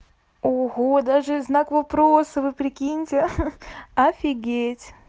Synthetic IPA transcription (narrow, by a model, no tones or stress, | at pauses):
oɣod̪aʐɨznakvɐpɾosɨvɨpɾʲɪkʲinʲtʲɪ | ɐfʲɪɡʲetʲ